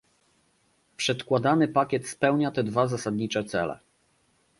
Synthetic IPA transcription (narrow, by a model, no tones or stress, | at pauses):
pʂɛt̪kwad̪anɘpakʲɛt̪spɛwɲat̪ɛd̪vazasad̪ɲit͡ʂɛt̪sɛ̰lɛ̰